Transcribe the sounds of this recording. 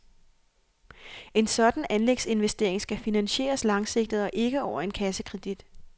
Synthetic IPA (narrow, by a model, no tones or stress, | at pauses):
e̝nsɒ̽d̥n̩ænleɡ̥se̝nʋesd̥e̝ɐ̰eŋsɡ̥æfinænɕe̝̰ːɐslɑ̈ŋse̝ɡ̥̚d̥ð̞̩ˠɒ̽ʔe̝ɡ̥əɒʊ̰ɐe̝nkʰæsəkʰʁɛd̥id̥